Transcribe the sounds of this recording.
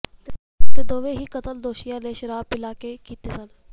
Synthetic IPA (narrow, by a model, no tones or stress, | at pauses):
t̪eːd̪oːʋeːɦiːkət̪əld̪oːʃɪjãːleːʃəɾaːpɪlaːkeːkiːt̪eːsən